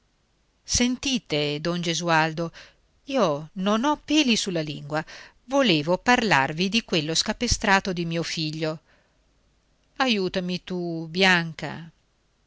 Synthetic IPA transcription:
sent̪iːt̪ed̪ond͡ʒezuald̪o | iːononɔpːeːlisulːalḭŋɡwa | voleːvoparla̰rvid̪ikwelːoskapest̪ɾaːt̪od̪imiːofiʎːo | ajuːt̪amit̪ubjaŋka̰

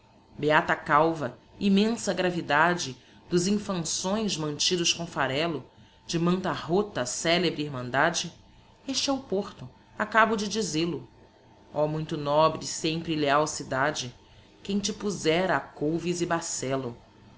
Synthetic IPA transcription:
beat̪akawvɐimẽsɐɡɾavid̪ad͡ʒɪ | d̪ʊzĩfɐ̃sõj̃zmɐ̃nt͡ʃid̪ʊskõfaɾɛlʊ | d͡ʒɪmɐ̃nt̪ɐɦot̪ɐsɛlebɾiiɾmɐ̃nd̪ad͡ʒɪ | eʃt͡ʃɪɛʊpoɾt̪ʊ | akabʊd͡ʒɪd͡ʒizelʊ | ɔmũj̃t̪ʊnɔbɾɪsẽj̃pɾileawsid̪ad͡ʒɪ | kẽj̃t͡ʃɪpuzɛɾɐːkowvizibasɛlʊ

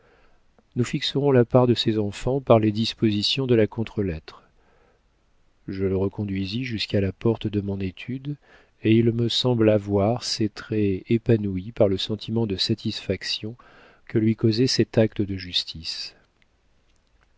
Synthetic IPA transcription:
nufiksəʁɔ̃lapaʁd̪əsezɑ̃fɑ̃paʁled̪ispozisjɔ̃d̪əlakɔ̃t̪χəlɛt̪χ | ʒələʁəkɔ̃d̪ɥiziʒyskalapɔʁt̪d̪əmɔ̃net̪ʰyd̪ | eilməsɑ̃blavwaʁset̪χɛepanuipaʁləsɑ̃t̪ʰimɑ̃d̪əsat̪ʰisfaksjɔ̃ | kəlɥikozɛsɛt̪ak̚t̪əd̪əʒyst̪ʰis

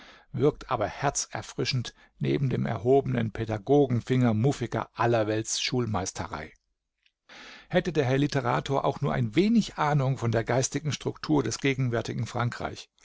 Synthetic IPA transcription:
vɪɐk̚tʰʔa̰ːbɐhɛɐt͡sɛ̰ɐfʁ̥ɪʃn̩t | nḛːbm̩deːmɛ̰ɐɦoːbənənpʰedaɡoːɡŋ̩fɪŋɐmuːfɪɡɐ̰ʔalɐvɛltsʃuːlmaɪstʰəʁa̰ɪ | hɛtədeːɐɦɛɐlitəʁa̰ːtʰoːɐʔa̰ʊxnuːɐʔa̰ɪnveːnɪçʔaːnʊŋfɔndeːɐɡaɪstɪɡŋ̩ʃtʁ̥ʊktʰuːɐdɛsɡ̥eːɡŋ̩vɛɐtɪɡŋ̩fʁ̥aŋkʁ̥a̰ɪç

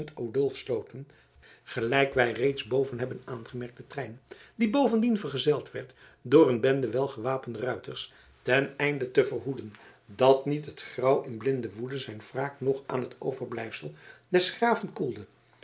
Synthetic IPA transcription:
ntowdɵlˠfslowtən | χəlɛjkʋɛjrejtzbowvənɦɛbənaːnχəmɛɹk̚dətrɛjndibowvəndinvəɹχəzɛlˠtʋɛɹt | dʊːɹənbɛndəʋɛlˠχəʋaːpəndərœɥtəɹs | tɛnɛjndətəvəɹɦudən | dɑtnitɦətχrɑwɪnblɪndəʋudəzɛjnv̥raːknɔχʔa̰ːnɦəto̰wvəɹblɛjfsəlˠd̥ɛsχraːvənkulˠdə

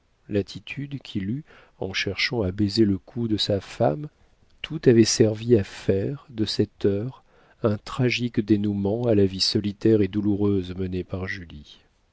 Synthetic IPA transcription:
lat̪ʰit̪ʰyd̪kʲʰily | ɑ̃ʃɛʁʃɑ̃abezeləkʰud̪əsafam | t̪ʰut̪avɛsɛʁviafɛʁd̪əsɛt̪œʁ | ɛ̃t̪χaʒikd̪enumɑ̃alavisɔlit̪ɛʁed̪uluʁøzmənepaʁʒyli

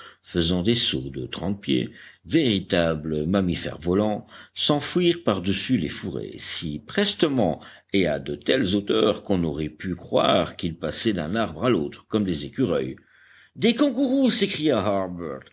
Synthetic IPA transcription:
fəzɑ̃d̪esṵʁd̪ət̪χɑ̃t̪̚pjḛveʁit̪abləmamifɛ̰ʁvɔlɑ̃sɑ̃fwiʁpaʁd̪əsylḛfuʁḛsipχɛst̪əmɑ̃ | ead̪ət̪ɛlzot̪œʁkɔ̃nɔʁɛpykχwa̰ʁkilpasɛd̪ɛ̃naʁbʁalot̪χkɔmd̪ezekʲyʁœj | d̪ekɔ̃kuʁusekχijaɦaʁbœʁt̪

